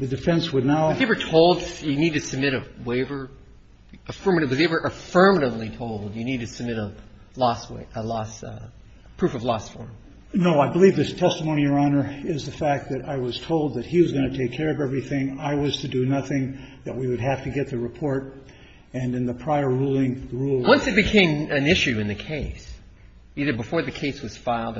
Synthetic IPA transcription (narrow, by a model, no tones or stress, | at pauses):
ðɨdɨfɛ̃nswədⁿnaʊeɪvə˞tʰoʊlˠdjɨnid̚tʰɨsɨb̚mɪɾɨweɪvə˞ | əfɜ˞mɨɾɨwʌzɪvə˞ʔɨfɜ˞məɾəvlitʰoʊlˠd̚jɨnid̚tɨsɨb̚mɪɾə | lɔswḛʔəlɔs | pʰɹ̥ʉfʌvlɔsfɔ̰ɹm | noʊaɪbəlivðɨtʰɛstəmõʊ̃niə˞ɑnə˞ɪzðɨfæk̚ðɨɾaɪwʌz̥tʰoʊlˠd̪̚ðɨt̚hiwʌzɡʌñɨtʰeɪkʰːɛɹʌvɛvɹiθɪ̃ŋaɪwʌz̥tʰɨdɨnʌθɪ̃ŋðɨt̚wiwɨd̚ɦæftɨɡɛt̪̚ðɨɹɨpʰɔɹɾ | ɨ̃nɨ̃nðɨpʰɹ̥aɪə˞ɹulˠɪ̃ŋðɹulˠwʌ̃nsɨt̚b̥ɨkʰẽɪ̃mɨ̃nɪʃʉɨ̃nðɨkʰeɪs | iðə˞bəfɔɹðɨkʰeɪswʌz̥faɪlˠd